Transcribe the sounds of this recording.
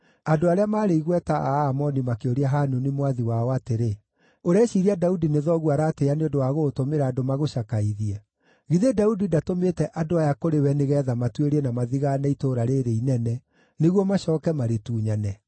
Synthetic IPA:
adoaɾeamaːɾeiɣwɛtaaːmɔnimakeoɾiaɦanunimwaðiwaɔateɾe | oɾɛʃiɾiadaudineðɔɣuaɾaːteaneondowaɣotomeɾaːdomaɣoʃakaiðia | ɣiðedaudidatometɛʔadoajakoɾewɛneɣɛðamatweɾɛnamaðiɣanɛitoɾaɾeɾeinɛnɛ | neɣwɔmaʃɔːkɛmaɾetuːɲanɛ

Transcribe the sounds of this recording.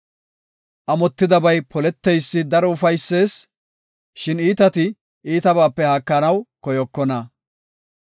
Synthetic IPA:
ʔɐmɔt̪ːɪd̪ɐbɐjpʰɔlɛt̪ːɛjsːɪd̪ɐɾɔʊfɐjsːe̞ːs | ʃɪniːt̪ɐt̪ɪ | iːt̪ɐbaːpːɛhakːɐnɐwkɔjɔkːɔnɐ

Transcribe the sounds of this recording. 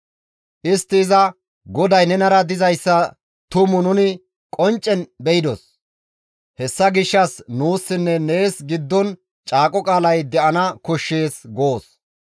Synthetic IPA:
ʔɪst̪ːɪːzɐ | ɡɔd̪ɐjnɛnɐɾɐd̪ɪzɐjsːɐ | t̪ʊmʊnʊnɪ | kʼɔnt͡ʃʼːɛnbɛjɪd̪ɔs | hɛsːɐɡɪʃːɐsnuːsːɪnːɛne̞ːsɡɪd̪ːɔn | t͡ʃʼaːkʼɔkʼaːlɐjd̪ɛʔɐnɐkʊʃːe̞ːsɡoːs

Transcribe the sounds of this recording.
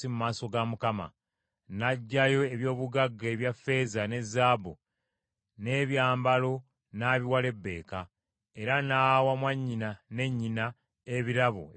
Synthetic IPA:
imumaːso̞ɡamukama̰ | naɟːajo̞eβjo̞ːβuɡaɡːe̞ːβjafːe̞zane̞zːaːbo | ne̞βjaːmbalo̞ | naːβiwale̞bːe̞̰ːka | e̞ɾanaːwamwaɲːinane̞ɲːina | eβiɾaβo̰

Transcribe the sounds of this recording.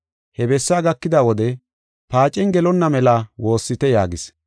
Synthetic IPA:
hɛbɛsːaːɡɐkːɪd̪aːwɔd̪ɛ | paːt͡ʃʼɛŋɡɛlɔnːɐmɛlaːwo̞ːsːɪt̪ɛjaːɡɪs

